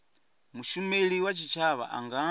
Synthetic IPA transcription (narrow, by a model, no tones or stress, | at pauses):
muʃumɛliwat͡ʃit͡ʃaβa̰ʔa̰ŋɡa